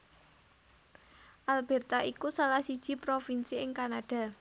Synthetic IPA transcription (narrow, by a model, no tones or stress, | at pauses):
ʔalb̥ɛ̤rt̪aʔikusalahsid̥ʒ̥i̤pɾofinsiɪŋkanaɖ̥a̤